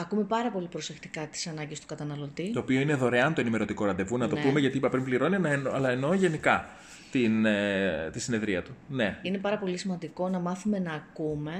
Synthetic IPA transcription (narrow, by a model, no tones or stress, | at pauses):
ɐkume̞pɐɾɐpo̞lipɾo̞se̞xt̪i̥kɐt̪i̥sɐnɐɲɟest̪u̥kɐt̪ɐnɐlo̞t̪it̪oːpio̞ine̞ðo̞ɾeɐnt̪oenime̞ɾo̞t̪iko̞ɾɐnd̪e̞vunɐt̪opume̞ʝɐt̪iipɐpɾimbliɾo̞ninɐeɐlɐeno̞ʝe̞nikɐ | t̪inet̪isine̞ðɾiɐt̪une̞ine̞pɐɾɐpo̞lisimɐnd̪iko̞nɐmɐθume̞nɐːkume̞